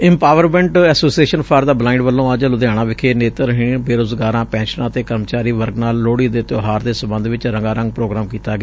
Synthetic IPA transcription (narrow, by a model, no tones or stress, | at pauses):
ɪ̃mpaːʋəɾmɛ̃ːɳʈɛːsoːsieːʃənpʰaːɾd̪aːblaːɪɳɖʋəlːõːəd͡ʒlʊd̪jaːɽ̃aːʋɪkʰeːneːt̪əɾɦɪbeːɾoːzɡaːɾãːpɛ̃ːʃnãːt̪eːkəɾmət͡ʃaːɾiːʋəɾɡnaːlːoːɽiːd̪eːt̪oːɦaːɾd̪eːsəmbənd̪ʋɪt͡ʃɾəŋɡaːɾə̃ŋɡ̚pɾoːɡɾaːmkiːt̪aːɡeaː